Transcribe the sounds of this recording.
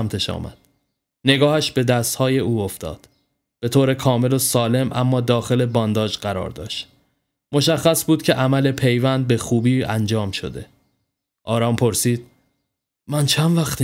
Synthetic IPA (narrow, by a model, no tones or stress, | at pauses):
æmt̪ʰeʃɒ̰ːmæ̰d̪̥ | ne̞ɡɒːhæʃbe̞d̪æst̪hɒːje̞uːoft̪ɒ̰ːd̪̥ | b̥e̞t̪ʰoːɾe̞kʰɒːme̞losɒːle̞mʔæ̰mːɒːd̪ɒːxe̞le̞bɒːnd̪ɒːd͡ʒɢæɾɒ̰ːɾd̪ɒ̰ːʃt̪ | mo̞ʃæxːæsbuːd̪̚cʰe̞ʔæmæle̞pʰe̞jvænd̪̚be̞xuːbiːænd͡ʒɒːmʃo̞̰d̪e̞̰ | ʔɒːɾɒːmpʰo̞ɾsiːd̪̥̚ | mænt͡ʃʰænvæxt̪